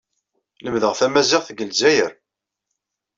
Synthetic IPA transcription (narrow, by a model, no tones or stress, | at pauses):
ləmðəʁθæmæzɪʁθɡəlzæjəɾ